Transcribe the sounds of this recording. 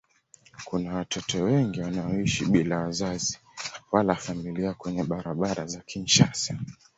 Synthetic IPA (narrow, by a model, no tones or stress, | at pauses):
kunawatʰɔtʰɔwɛŋɡiwanaɔiʃiɓilawazazi | walafamiliakwɛɲɛɓaɾaɓaɾazakʰint͡ʃasa